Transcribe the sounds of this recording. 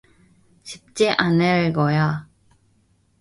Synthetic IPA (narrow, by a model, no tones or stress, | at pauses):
ɕip̚t͡ɕ͈eʔaneɭɡʌja